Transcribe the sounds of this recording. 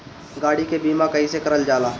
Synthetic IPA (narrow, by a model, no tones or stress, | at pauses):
ɡaːɽikebiːmakɐisekɐɾəld͡ʒaːlaː